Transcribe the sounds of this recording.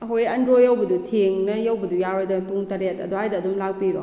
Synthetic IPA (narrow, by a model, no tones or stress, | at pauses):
ɐɦojɐndɾojɐwbɐdutʰeŋnɐjawbɐdujaɾojdampuŋtaɾetɐ̰dɔhajdɐːdumlak̚piɾɔ